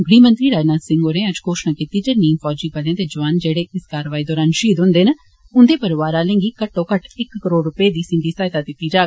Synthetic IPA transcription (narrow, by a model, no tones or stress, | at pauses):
ɡɽiːmənt̪ɾiːɾaːd͡ʒnaːsɪ̃ŋɡoːɾẽːəd͡ʒkoːʃnaːkiːt̪iːd͡ʒeːniːmfʰɔːd͡ʒiːpəljãːd̪eːd͡ʒəʋaːnd͡ʒeːɽeːɪskaːɾəʋaːiːd̪ɔːɾaːnʃiːd̪ɦʊ̃nd̪eːn | ʊnd̪eːpəɾɪʋaːɾaːlẽːŋɡiːkəʈːõːkəʈʰɪkːəɾoːɖɾʊpeːd̪iːsɪ̃ɳɖiːsaːɪt̪aːd̪ɪt̪ːiːd͡ʒaː